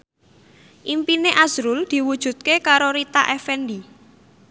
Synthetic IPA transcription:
ʔimpineʔaz̥ɾuld̪̥i̤wud̥ʒ̥ṳt̪̚kekaɾoɾit̪aʔɛfɛnɖi

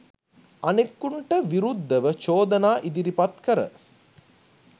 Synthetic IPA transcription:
anekːuɳʈəʋiɾud̪ːəʋət͡ʃoːd̪ənaːʔid̪iɾipat̪kəɾə̰

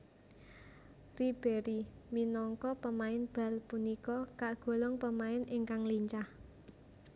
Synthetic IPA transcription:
rib̥e̤ɾiminɔŋkɔpəmaɪnb̥ä̤lpunikɔkaʔɡ̥o̤lɔŋpəmaɪnɪŋkaŋliɲt͡ʃah

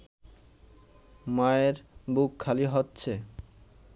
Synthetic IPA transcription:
maeɾbukʰːaliɦotːɕʰe

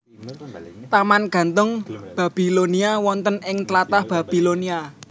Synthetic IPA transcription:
t̪amanɡ̥a̤nt̪ʊŋb̥ä̤b̥i̤loniawɔnt̪ənɪŋt̪lat̪ahb̥a̤b̥i̤lonia

